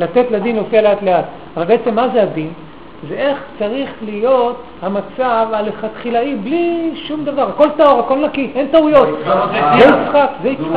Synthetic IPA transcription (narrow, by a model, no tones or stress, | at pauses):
lat̪e̞t̪lad̪inlofialeat̪leat̪ | avalbe̞et͡se̞mːazead̪in | zeʔe̞χt͡saʁiχlijo̞t̪ | hamat͡savaleχat̪χilaibliʃumd̪avaʁhako̞lt̪aoʁako̞lnakiχe̞nt̪aujo̞t̪zzeit͡sχakzeiχa